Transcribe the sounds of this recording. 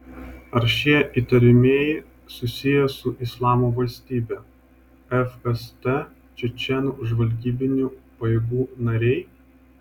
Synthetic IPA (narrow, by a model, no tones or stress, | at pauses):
ɐɾʃʲiɛʔiːt̪ɐɾʲɪmʲeːjɪ | sʊsʲɪjɛsʊʔɪslˠɑːmoʋɐlʲsʲt̪ʲiːbʲɛː | ɛfɛst̪ɛ | t͡ʃʲɛt͡ʃʲɛnuʊʒʋɐlʲɡʲiːbʲɪnʲuːpɐjeːɡuːnɐɾʲɛɪ